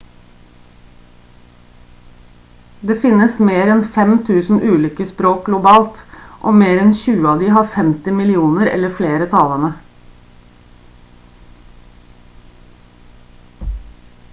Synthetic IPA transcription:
d̪eːfɪnəsmeːɾɛnfɛmt̪ʰʉːsn̩ʔʉːliːkəspɾoːk̚ɡlʊbɑːlt̪ʔoːmeːɾɛnçʉːəɑːʋd̪iːhɑːɾfɛmt̪ɪmɪlɪuːnəɾɛ̰ləfleːɾət̪ʰɑlənə

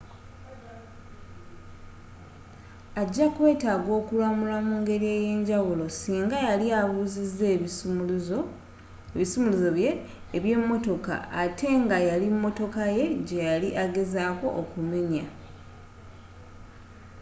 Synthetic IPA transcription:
aɟːakwe̞ːtaːɡo̞ːkulamulamuːŋɡe̞ɾie̞je̞ːɲɟawulo̞siːŋɡajaliaβuzizːe | βisumuluzoβje̞ː | βje̞mːo̞to̞ka̰atʰe̞ŋɡajalimːo̞to̞kaje̞ɟe̞jaliʔaɡe̞zaːko̞̰ʔokume̞ɲa

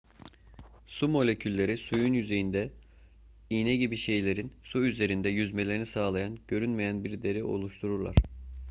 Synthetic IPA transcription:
sumo̞lʲecʰylʲːe̞ɾisujunjyze̞jind̪ɛ | iːnɛɟibiʃe̞jlʲe̞ɾinsuyze̞ɾind̪ɛjyzmelʲe̞ɾinisaːlˠajanɟø̞ɾynmejænbiɾd̪e̞ɾiʔo̞̰lˠuʃt̪ʰuɾuɾlˠa̰ɾ̥

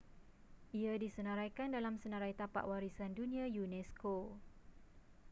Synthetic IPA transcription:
ʔiadisənãɾajkandalamsənaɾajt̪apa̰ʔwaɾisandunĩajunɛsko

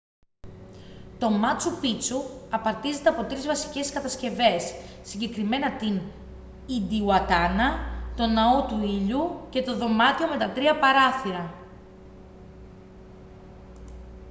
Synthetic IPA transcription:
t̪o̞mɐt͡supit͡suɐpɐɾt̪ize̞t̪e̞ɐpo̞t̪ɾizvɐsi̥ce̞skɐt̪ɐsce̞ve̞sː | iɲɟe̞kɾime̞nɐt̪in | id̪iuɐt̪ɐnɐt̪o̞nɐo̞t̪uiʎuce̞t̪o̞ðo̞mɐt̪io̞me̞t̪ɐt̪ɾiɐpɐɾɐθiɾɐ

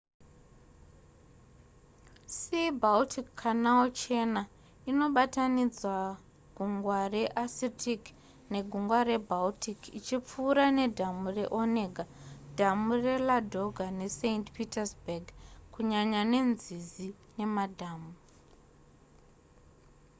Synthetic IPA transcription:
sebaltʰikːʰanaot͡ʃe̞na | ino̞ɓatanid͡zwa | ɡ̥ʱuŋɡware̞ʔasitʰik | ne̞ɡʱuŋɡwaɾe̞bʱaltʰikit͡ʃip͡fuːɾane̞dʱamure̞ʔoneɡʱad̥ʱamure̞ladʱo̞ɡʱane̞sentpitasbaɡkuɲaɲane̞nzizi | ne̞madʱaːmu

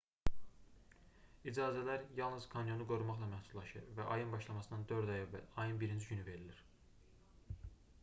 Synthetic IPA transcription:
id͡ʒɑːzælæɾjɑlˠnɯz̥kʰɑnjo̞nuɡo̞ɾumɑχlˠɑmæhsud̪lˠɑʃɯ̰ɾvæʔɑjɯnbɑʃlˠɑmɑsɯnd̪ɑnd̪ø̞ɾd̪ɑjævːæ̰lʲɑjɯnbiɾind͡ʒiɟynyve̞ɾiliɾ̥

